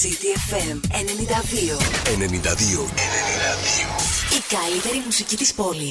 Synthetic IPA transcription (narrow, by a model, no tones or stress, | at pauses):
id̪iefemene̞nind̪ɐðioenenind̪ɐðioenenind̪ɐðioikɐlit̪e̞ɾimusicit̪ispo̞lis